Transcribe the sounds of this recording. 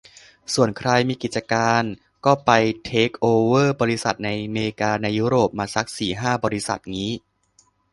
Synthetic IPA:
su˨˩ənkʰɾa˧jmiː˧ki˨˩t̪̚t͡ɕa˧kaː˧n | kɔː˥˩pa˧jt̪ʰeː˦˥k̚ʔoː˧wɤː˥˩bɔː˧ɾi˦˥sa˨˩t̪̚na˧jmeː˧ɾkaː˧na˧jːuː˦˥ɾoː˨˩p̚maː˧sa˦˥k̚siː˨˩ɦaː˥˩bɔː˧ɾi˦˥sa̰˨˩t̪̚ŋiː˦˥

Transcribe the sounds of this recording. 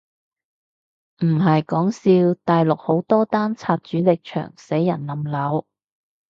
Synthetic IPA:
m̩˨˩hɐ˨jkɔː˨˥ŋsiː˧wt̪aː˨jlʊ˨k̚ho˨˥wt̪ɔː˥t̪aː˥nt͡sʰaː˧t̚t͡ʃyː˨˥lɪ˨k̚t͡ʃʰœ̰ː˨˩ŋse˨˥jːɐ̰˨˩nlɐ˨˩mlɐ˨˥w

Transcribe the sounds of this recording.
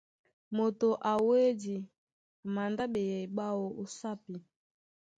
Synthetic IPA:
mo˨to˨ʔa˨we˦di˨ | a˨ma˨nda˦be˨ja˨i˨ɓa˦wo˨ʔo˦sa˦pi˨

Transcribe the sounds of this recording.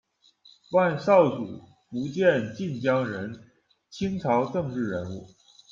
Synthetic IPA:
wa˥˧nsɑ˥˩ʊt͡su˨˩ | pu˧˥t͡ɕjɛ˥˧nt͡ɕi˥˩nt͡ɕjɑ˥ŋɻə˧˥n | t͡ɕʰi˥ŋt͡sʰɑ˧˥ʊʈ͡ʂɤ˥˧ŋʈ͡ʂɻ̩˥˩ɻə˧˥nu˥˩

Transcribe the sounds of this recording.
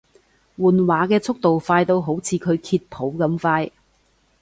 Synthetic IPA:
wuː˨nwaː˨˥kɛː˧t͡sʰʊ˥k̚t̪o˨wfaː˧jt̪o˧wɦo˨˥wt͡sʰiː˨˧kʰɵ˨˧ɥkʰiː˧t̚pʰo˨˥wkɐ˧mfaː˧j

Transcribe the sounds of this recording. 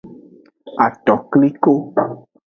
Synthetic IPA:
a˨tɔ˨kli˦ko˦

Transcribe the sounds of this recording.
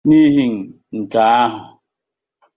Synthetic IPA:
ni˦ɦi˦ŋ̩˨ | ŋ̩˨ka˨a˦ɦʊ˨

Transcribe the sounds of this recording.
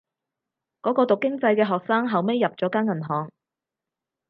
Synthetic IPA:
kɔː˨˥kɔː˧t̪ʊ˨kːɪ˥ŋt͡sɐ˧jkɛː˧ɦɔː˨k̚saː˥ŋɦɐ˨wme˥jːɐ˨p̚t͡sɔː˨˥kaː˥nŋɐ˨˩nɦɔː˨ŋ

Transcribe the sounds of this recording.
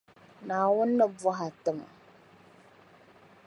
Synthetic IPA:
naː˨wʊ˦nːə˦bʊ˦ɦa˨tɨ˦ma̰˨

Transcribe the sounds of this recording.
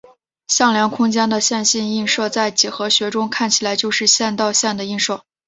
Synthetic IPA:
ɕjɑ˥˩ŋljɑ˧˥ŋkʰʊ˥ŋt͡ɕjɛ˥nd̪ə˨ɕjɛ˥˧nɕi˥˧ni˥˧ŋʂɤ˥˧ʊt͡sa˥˩ɪt͡ɕi˨˩xɤ˧˥ɕɥɛ˧˥ʈ͡ʂʊ˥ŋkʰa˥˩nt͡ɕʰi˨˩la˧˥ɪt͡ɕjo˥˧ʊʂɻ̩˥˧ɕjɛ˥˧nt̪ɑ˥˧ʊɕjɛ˥˩nd̪ə˩i˥˧nʂo˥˩ʊ

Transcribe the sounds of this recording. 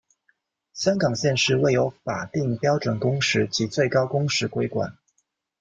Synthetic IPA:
ɕjɑ˥ŋkɑ˨˩ŋɕjɛ˥˧nʂɻ̩˥˧we˥˩ɪjo˧˥ʊfa˨˩t̪i˥˩ŋpjɑ˥ʊʈ͡ʂwə˨˩ŋkʊ˥ŋʂɻ̩˥˩t͡ɕi˧˥t͡swe˥˩ɪkɑ˥ʊkʊ˥ŋʂɻ̩˧˥kwe˥ɪkwa̰˨˩˦n

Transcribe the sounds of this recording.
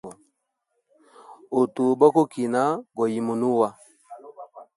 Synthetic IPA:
ɔ˨ | o˨tu˨bɔ˦ko˦ki˨na˦ɡɔ˨ji˨mu˨nu˦wa˦

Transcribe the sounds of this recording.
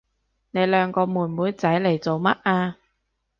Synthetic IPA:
ne˨˧jlœː˨˧ŋkɔː˧muː˨˩nmuː˨˥jt͡sɐ˨˥jle˨˩jt͡so˨wmɐ˥t̚ʔaː˧

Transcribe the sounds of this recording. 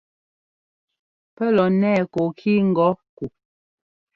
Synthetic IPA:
pɛ˦lɔ˨nɛː˦˨ko˨kʰi˦ŋ̩˦ɡɔ˨˦ku˨

